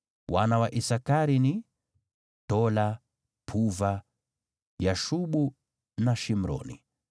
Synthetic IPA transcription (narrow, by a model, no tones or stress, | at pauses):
wanawaʔisakaɾini | tɔla | pʰuva | jaʃuɓu | naʃim̩ɾɔ̰nḭ